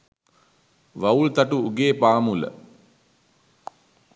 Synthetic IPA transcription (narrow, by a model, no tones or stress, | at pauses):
ʋault̪aʈuuɡeːpaːmulə̰